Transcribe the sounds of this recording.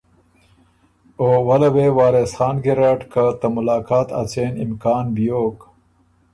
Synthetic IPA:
oːwɐlɐwewɑːɾesxɑːnɡiɾaʈkat̪ɐmʊlaːkaːt̪a̰t͡seːnimkaːnbijoːk

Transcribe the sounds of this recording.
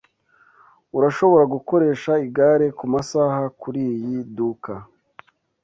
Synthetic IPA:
uɾaʃo̞βo̞ɾaɡuko̞ɾe̞ːʃaiɡaɾe̞kumasaːhakuɾiːjiduka

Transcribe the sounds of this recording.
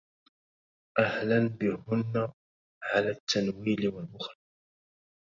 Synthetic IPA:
ʔahlanbɪhʊnːa | ʕalaːt̪ːanwiːlwalmʊxɾɑ

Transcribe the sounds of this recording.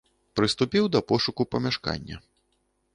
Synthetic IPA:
pɾɨst̪upʲiwd̪ɐpɔʂukupɐmʲaʂka̰nʲːɐ̰

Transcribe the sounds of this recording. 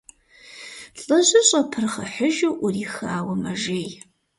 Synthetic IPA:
ɬʼɐʑʼɐɕʼɐpʰɨrχɐ̰ħəʒɐwʔʊriːxaːwɐmɐʒeːj

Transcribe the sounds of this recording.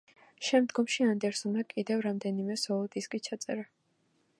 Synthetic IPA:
ʃɛmd̪ɡɔmʃiand̪ɛɾsɔnakʼid̪ɛvɾamd̪ɛnimɛsɔɔd̪iskʼit͡ʃʰat̪sʼɛ̰ɾa

